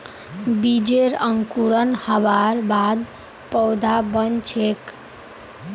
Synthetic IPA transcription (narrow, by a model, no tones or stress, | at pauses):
bid͡ʒeɾəŋkuɾənhəbaɾbad̪ | pəwd̪ʱabənt͡ʃʰek